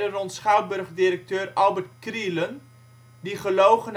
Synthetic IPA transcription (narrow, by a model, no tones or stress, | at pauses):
dərɔntsχaw̚bɵrχdɪɾək̚tøːrɑlˠbərtkrilən | diχəlowχən